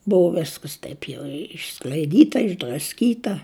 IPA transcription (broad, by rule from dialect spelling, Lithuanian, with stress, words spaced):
ˈbʊʋoː ˈʋʲɪskɐs ˈtɐɪp jɛʊ ɪʃsklʲɐɪˈdʲiːtɐ ɪʒdrɐsʲˈkʲiːtɐ